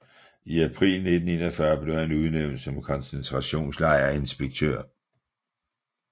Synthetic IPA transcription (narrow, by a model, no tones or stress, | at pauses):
iæpʰʁḭːlne̝d̥n̩e̝ːnɐfɶɐb̥le̝ʊhænuð̞ˠneʊnd̥sɒ̽mkʰɒ̽nsent͡sʰʁɑ̈ɕo̝̰ːnslɑ̈ɪɐe̝nsb̥eɡ̥̚t͡sʰø̰ɐ̰